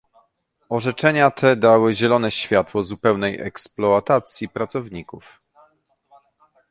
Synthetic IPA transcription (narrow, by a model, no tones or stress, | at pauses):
ɔʐɛt͡ʂɛɲat̪ʰɛd̪awɘʑɛlɔnɛɕfʲjat̪wɔzupɛwnɛjʔɛ̰ksplɔat̪at̪sʲjipɾat̪sɔvɲikuf